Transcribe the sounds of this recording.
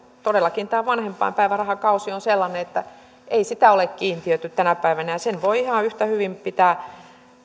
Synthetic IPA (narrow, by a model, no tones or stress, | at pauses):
t̪odelːˑɑkint̪æːʋɑnhempˑɑ̰impæiʋærɑhɑkɑusionselːɑneet̪ːæ | eisit̪æolekkiːnt̪iøt̪yt̪t̪ænæpæiʋænæjɑsenʋoiihɑyht̪æhyʋimpit̪æː